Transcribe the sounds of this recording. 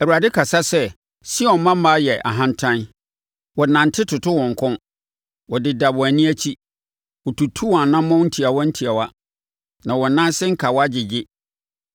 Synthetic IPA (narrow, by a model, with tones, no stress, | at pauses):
æ˨u˨a˨dɪ˦kʰa˨sa˦sɛ˦ | si˦ɔ̃˨mmã˦m˦ma˦jɛ˨ʔa̰˨ɦã˦n̩˦tʰã˦n˦ | wɔ˨nã˨n̩˨tʰɪ˦tʰʊ˨tʰʊ˦wɔ̃˨ŋ̩˨kʰɔ̃˦n | wɔ˨dɪ˨da˨bʊ˨æ˨nĩ˦æ˦t͡ɕʰi˦ | wɔ˨tʰu˨tʰu˦wɔ˨a˨nã˦mːɔ̃˦n̩˦tʰi˨a˨wɔ˦n̩˦tʰi˨a˨wa˦ | nã˨wɔ˨nã˦n˦sɪ˦ŋ̩˦kʰa˨wɔ˦a˦d͡ʑɪ˨d͡ʑɪ˦